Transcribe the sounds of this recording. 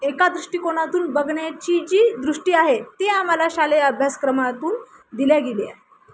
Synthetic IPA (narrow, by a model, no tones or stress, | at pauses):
ekad̪ɾuʂʈiːkoɽ̃at̪uːnbəɡɳjat͡ɕid͡ʑiːd̪ɾuʂʈiːaɦet̪eamalaɕaleəbʱjaskɾəmat̪uːn | d̪iljaɡelia̰ɦe